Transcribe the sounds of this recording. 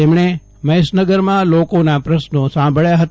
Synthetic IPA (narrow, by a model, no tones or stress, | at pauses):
emɳ̃e | məjsnəɡəɾmãlokonapɾəsnosãmbʱəɭjaɦət̪